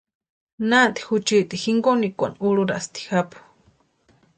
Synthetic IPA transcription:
nat̪i̥xut͡ʃiʔt̪ixiŋɡonikʷa̰nuluɾast̪i̥xapu̥

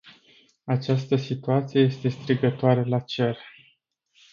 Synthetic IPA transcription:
at͡ʃast̪əsit̪uat̪sije̞je̞st̪e̞st̪ɾiɡət̪oaɾe̞lat͡ʃer

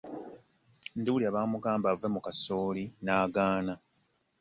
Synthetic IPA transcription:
nduwuliaβaːmuɡaːmbavemukasoːlinaːɡaːna

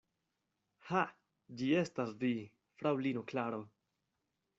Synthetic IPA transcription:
ha | d͡ʒie̞stasdi | fɾawlinoklaɾo̞

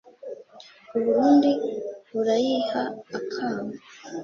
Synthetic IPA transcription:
uβuɾuːndiβuɾajihaːkʰaːma

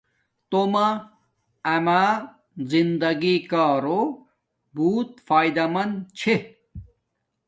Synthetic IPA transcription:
t̪oma | ɐma | zind̪ɐɡikaːɾo | buːt̪̚faːjd̪ɐmɐnt͡ɕʰe

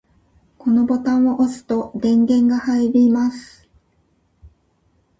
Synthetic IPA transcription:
ko̞no̞bo̞t̪ãɰ̃oʔosɨ̥t̪o̞d̪ẽ̞ŋɡẽ̞ŋɡahaiɾʲimasɨ̥

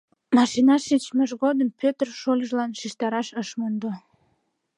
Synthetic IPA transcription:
mɑʃinɑʃit͡ɕməʒɣod̪əmpʲøt̪ərʃolʲəʒlɑnʃiʃt̪ɑɾɑʃəʃmond̪o

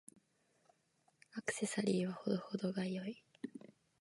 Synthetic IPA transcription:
akɯ̟̥se̞saɾʲiːβaho̞d̪o̞hod̪o̞ɡaijoi

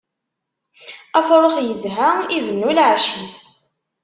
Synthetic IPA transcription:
æfɾˤoχjəzɦaivənːulʕʃis

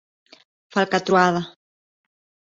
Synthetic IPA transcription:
falkat̪ɾuaða

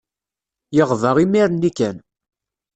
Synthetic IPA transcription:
jəʁvəʁimiɾənːikæn

